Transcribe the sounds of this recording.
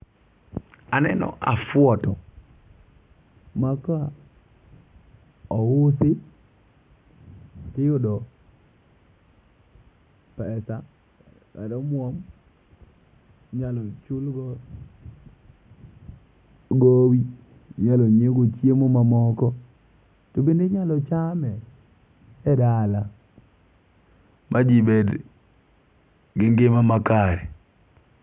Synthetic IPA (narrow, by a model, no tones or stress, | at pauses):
anɛ̰nɔ̰ʔa̰fwɔtɔ | maka | ɔʊsɪ | tɪjodɔ | pɛsa | ka̰dɔmwɔm | ɲalɔt͡ʃʊlɡɔ | ɡowi | ɲalɔɲeɡot͡ʃjemomamɔkɔ | tobendeɲalɔt͡ʃamɛ | ɛdala | mʔad͡ʒibed | ɡɪŋɡɪmamakaɾɛ